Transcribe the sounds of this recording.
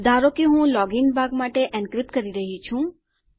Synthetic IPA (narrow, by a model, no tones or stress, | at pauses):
d̪aɾokiɦũlɔɡinbʱaɡmaʈeʔɛ̃nkɾipkəɾiɾəɦit͡ʃʰũ